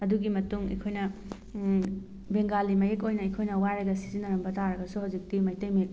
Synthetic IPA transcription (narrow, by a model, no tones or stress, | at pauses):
ɐduɡimɐtuŋḛkʰojnɐ | beŋɡalimɐjekojnɐekʰojnɐwajɾɐɡɐsi̥zinɐɾɐmbɐtaɾɐɡɐsuɦawzik̚timɐjtɐjmet